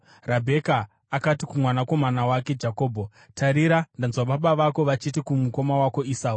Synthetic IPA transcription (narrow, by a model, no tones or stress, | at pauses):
rabʱe̞kaː | katikumwanako̞manawake̞d͡ʒako̞ːbʱo | tʰaɾiɾandanzwaɓaɓaʋako̞ʋat͡ʃitikumuko̞mawako̞isaːu